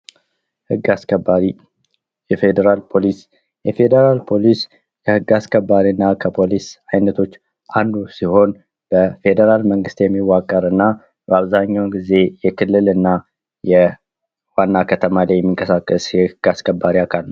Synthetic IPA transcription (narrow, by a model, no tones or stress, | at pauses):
hɨɡːaskəbaɾi | jɛfed̪eɾalpʰo̞lis | jɛfe̞d̪əɾalpʰo̞lis | kʰəhɨɡːaskʰəbːaɾinːakʰəpʰo̞lisajnət̪ʰo̞t͡ʃː | ʔand̪usiho̞n | b̥əfe̞d̪əɾalməŋɡɨst̪jɛmːiwːakʼːəɾɨnːa | bəaβzaɲːawɡize̞jɛkʰɨlːɨlɨnːa | jɛ | wanːakʰət̪ʰəmalajɛmːiŋkʼəsakʼːəsɛhɨɡ̥askʰʼəbːaɾiakʰalnəw